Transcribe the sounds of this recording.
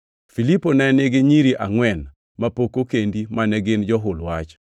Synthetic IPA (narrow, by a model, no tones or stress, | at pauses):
filiponɛnɪɡɪɲiɾiʔaŋwɛn | mapokokendimanɛɡɪnd͡ʒɔɦʊlwat͡ʃ